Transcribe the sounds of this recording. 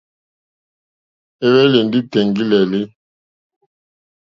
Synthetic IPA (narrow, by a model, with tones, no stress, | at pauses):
e˦βɛ˦le˨n˦di˦tɛ˨ŋɡi˦lɛ˨li˦